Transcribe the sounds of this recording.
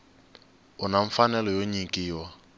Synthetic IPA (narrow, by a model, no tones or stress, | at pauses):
ʊnaɱ̩fanɛlɔjoɲikʼiːwa